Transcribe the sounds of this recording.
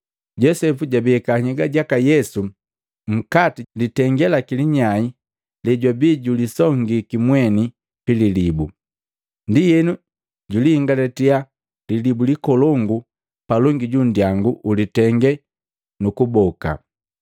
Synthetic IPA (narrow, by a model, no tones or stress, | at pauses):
ɟɔsɛfuɟabiɛkaɲɛɡaɟakajɛsu | ŋ̩katilitɛŋɡɛlakiliɲai | lɛɟwabiːɟulisɔŋɡikimwɛni | pililibu | ndijɛnu | ɟulihiŋɡalɛtia | lilibulikɔlɔŋɡu | palɔŋɡiɟundjaŋɡuʔulitɛŋɡɛ | nukubɔka̰